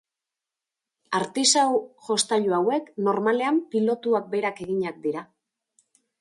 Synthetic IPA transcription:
aɾt̪isawʝo̞st̪aʎoawe̞kno̞ɾmale̞ampilo̞t̪uak̚be̞ɾake̞ɣiɲak̚d̪iɾa

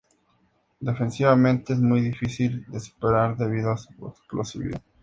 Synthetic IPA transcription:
d̪efensiβamẽnt̪eezmujðifisild̪esu̥peɾaɾðeβiðoasuḛksplosḭβḭa̰

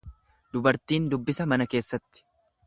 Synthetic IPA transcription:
d̪ʊbɐɾt̪iːnd̪ʊbːɪsɐmɐnɐke̞ːsːɐt̪ːɪ̥

